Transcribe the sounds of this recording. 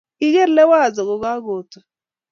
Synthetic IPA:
i˦ɣe˦ɾ̩˦le˦wa˦a˨zʊ˨ɣʊ˨ɣa˦ɡo˨tʊ˨

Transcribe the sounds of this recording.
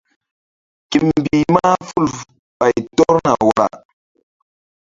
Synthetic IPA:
ki˨m˨bi˨ma˦fu˦˨l | ɓa˨jtɔ˦ɾna̰˨wa˨ɾa̰˨

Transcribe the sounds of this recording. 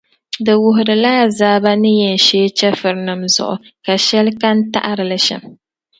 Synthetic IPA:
dɨ˨wʊ˨ɦʊ˨ɾɨ˨laː˦zaː˦ba˦nɨ˦jɛ˨n˨ʃeː˦t͡ʃɛ˦fɨ˨ɾnɨ˨mzʊ̰˨ʔʊ̰˨ka˨ʃɛ˦lka˦n˦ta̰˦ʔa˦ɾɨ˨lɨ˨ʃɛ̰˨m

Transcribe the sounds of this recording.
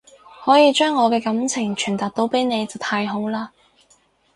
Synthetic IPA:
hɔː˨˥jiː˨˧t͡ʃœː˥ŋːɔː˨˧kɛː˧kɐ˨˥mt͡sʰɪ˨˩ŋt͡ʃʰyː˨˩nt̪aː˨k̚t̪o˨˥wpe˨˥jne˨˧jt͡sɐ˨˩wt̪ʰaː˧jɦo˨˥wlaː˧

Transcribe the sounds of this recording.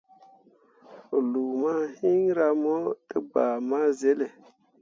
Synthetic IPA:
lu˨ma˦hi˦ŋɾa˧mo˦tə˦ɡ͡ba˨ma˦ze˦le˨

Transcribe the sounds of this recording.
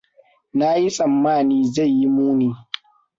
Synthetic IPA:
na˦ji˦sʼɐ˨mːaː˦˨niː˦za˦˨jːi˦muː˦niː˨˦

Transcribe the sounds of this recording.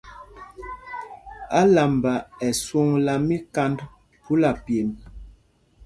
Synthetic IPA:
a˦la˨mba˨ɛ˨swu˦˨ŋla˨mi˦ka˦nd | pu˦la˨pje˨m

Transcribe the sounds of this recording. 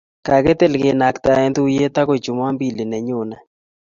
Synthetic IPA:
ka˨ɡɛ˦t̪e˦˨lɡɪ˨na˨kt̪a˨ɛ˦nd̪u˦je˦t̪a˦kɔ˦˨d͡ʒʊ˨m˦a˦mbi˦˨li˨nɛ˨ɲʊ˨na˨

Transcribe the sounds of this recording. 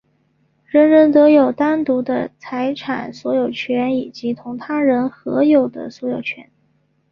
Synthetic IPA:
ɻə˧˥nɻə˧˥nt̪ɤ˧˥jo˨˩ʊt̪a˥nt̪u˧˥d̪ə̰˧t͡sʰa˧˥ɪʈ͡ʂʰa̰˨˩nswɔ˧˥jo˨˩ʊt͡ɕʰɥɛ˧˥ni˨˩t͡ɕi˧˥t̪ʰʊ˧˥ŋt̪ʰa˥ɻə˧˥nxɤ˧˥jo˨˩ʊd̪ə̰˩swɔ˧˥jo˨˩ʊt͡ɕʰɥɛ̰˧˥n

